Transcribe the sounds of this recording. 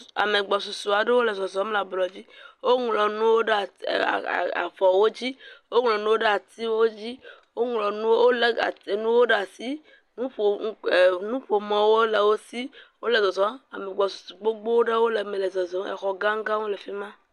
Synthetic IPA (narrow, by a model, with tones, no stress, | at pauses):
a̰˨me˨ɡ͡bɔ˨su˨su˨a˨ɖe˦wo˦le˨zɔ˨zɔ˨˦mla˨blɔ˨d͡ʑi˦wo˦ŋlɔ˨nũ˦wo˦ɖe˦a̰˨ | a̰˨fɔ˨wo˦d͡ʑi˦wo˦ŋ˨lɔ̃˨nũ˦wo˦ɖe˦a˨t̪i˦wo˦d͡ʑi˦wo˦ŋ˨lɔ˨nũ˦o˦le˦a̰˨e˨nũ˦wo˦ɖe˦a˨si˦ | nũ˦ɸo˨˦˨nũ˦ɸo˨mɔ̃˨wo˦le˨wo˦si˦wo˦le˨zɔ˨zɔ˨˦a˨me˨ɡ͡bɔ˨su̥˨su˨ɡ͡bo˦ɡ͡bo˦wo˦ɖe˦wo˦le˨me˨le˨zɔ˨zɔ˨˦ḛ˨xɔ˨ɡã˦ŋ˦ɡã˦wo˦le˨fi˦mã˦